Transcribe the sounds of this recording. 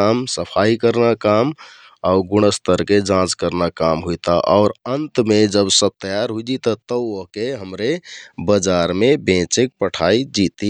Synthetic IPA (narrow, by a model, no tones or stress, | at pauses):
amsəpʰaikəɾnakam | aʊɡuñəst̪ʰəɾked͡ʒãt͡ʃkəɾnakamɦujt̪aʔɔːʊɾənt̪med͡ʒəbsəb̚t̪əjaɾɦuid͡ʒit̪ət̪əəɦkeɦəmɾebəd͡ʒaɾmebẽt͡ʃek̚pəʈʰaid͡ʒit̪i